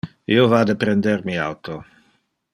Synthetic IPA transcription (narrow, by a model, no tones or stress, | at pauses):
ḭovad̪epɾend̪eɾmia̰wt̪o